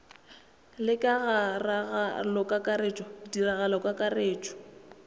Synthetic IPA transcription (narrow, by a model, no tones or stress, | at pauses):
lɪkʼaɣaraɣalɔkʼakʼaɾet͡ʃʼɔdiraɣalɔkʼakʼareːt͡ʃʼɔ̥